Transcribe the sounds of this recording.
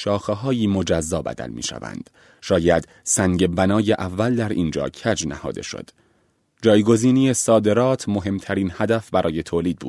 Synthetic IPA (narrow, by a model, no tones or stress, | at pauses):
ʃɒːxeɦɒːjiːmo̞d͡ʒæzːɒːbæ̰d̪æ̰lmḭːʃæ̰væ̰nd̪̥ | ʃɒːjæd̪̥ | sæŋɟe̞bænɒːjeʔævːæld̪æɾʔiːnd͡ʒɒ̰ːcʰæd͡ʒnæ̰hɒ̰ːd̪e̞̰ʃo̰d̪̥ | d͡ʒɒːjɡo̞ziːnijesɒːd̪e̞ɾɒːt̪ʰmo̞ɦe̞mt̪ʰæɾiːnhæd̪æfbæɾɒːje̞t̪ʰoːliːd̪̚buːd̪̥